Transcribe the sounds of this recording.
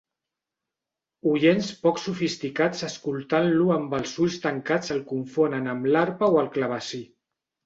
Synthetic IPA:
uʎenspɔksufist̪ikat͡səskulˠt̪anluəmbəlˠzuʎst̪əŋkad͡zəlˠkuɱfonənəmlaɾpəoəlˠklaβ̞əsi

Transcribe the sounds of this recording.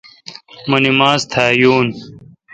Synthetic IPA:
mɐnimaːzt̪ʰaːjuːn

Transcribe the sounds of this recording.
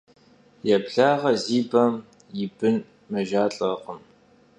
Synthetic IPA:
jɛpɬaːʁɐziːbɐm | jɪbɨn | mɐʒaːɬʼɐqʼəm

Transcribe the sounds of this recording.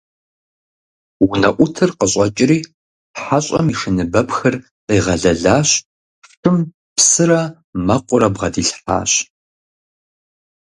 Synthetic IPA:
wʊnɐʔʷʊtʰɨrqəɕʼɐt͡ʃʼɪɾiː | ħaɕʼɐ̰miʂɨnɨbɐpxɐr | iːʁɐɮɐɮaːɕ | fʈ͡ʂʰɨm | psɨrɐ | mɐqʷʼʊɾɐbʁɐdiːɬħa̰ːɕ

